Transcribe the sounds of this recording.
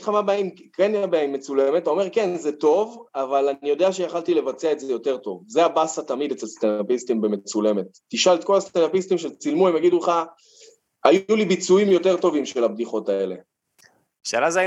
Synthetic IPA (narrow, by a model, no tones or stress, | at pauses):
χamabeaim | kenjabeaimːet͡suleme̞taome̞ʁke̞nzeto̞vavalanijo̞d̪e̞aʃejaχalt̪ile̞vat͡seae̞tzejo̞te̞ʁt̪o̞vze̞abasat̪amid̪et͡selst̪anapistimbe̞me̞t͡sule̞me̞t̪ːiʃalt̪ko̞lastenapist̪imʃelt͡silmuemjaɡid̪ulχa | ajulibit͡suimjo̞te̞ʁt̪o̞vimʃelabdiχo̞tae̞le̞ | ʃelaza